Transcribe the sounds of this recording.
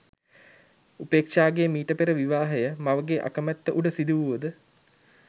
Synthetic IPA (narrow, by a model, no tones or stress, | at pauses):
upeːkʂaːɡeːmiːʈəpeɾəʋiʋaːɦəjəmaʋəɡeʔa̰kəmæt̪ːəʔuɖəsid̪uʋuʋəd̪ə